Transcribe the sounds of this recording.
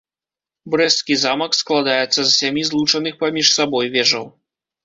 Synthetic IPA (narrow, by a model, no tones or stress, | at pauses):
bɾɛskʲizamɐksklˠad̪ajɛt̪sːɐzsʲamʲizlˠut͡ʂɐnɨxpamʲiʂsabɔjvʲɛʐɐw